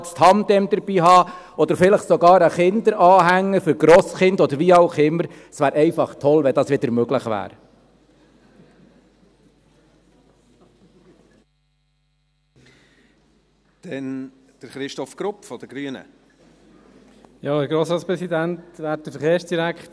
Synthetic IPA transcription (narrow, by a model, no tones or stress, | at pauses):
tst̪hɑmd̥̪ɛmd̪əɾbiːɦɑː | ɔd̪əɾfɪləχsɔɡɑːɾəχɪnd̪əɾɑːɦæŋːəfʏɾɡɾɔːsχɪndɔd̪əɾʋiɑʊχɪmːəɾ | sʋæːɾʔɛɪfɑχt̪ʰɔlʋɛnd̪ɑːsʋɪd̪əɾmøɡləχʋæ̰ːɾ | d̪̥ɛn | d̪̥əɾχɾɪʃtɔfɡ̥ɾʊpfɔd̥̪əɡɾyənə̰ | jɑəɾɡɾoːsɾɑːtspɾɛsid̪æntʋæːt̚dəfəɾχeːɾsd̥iɾækt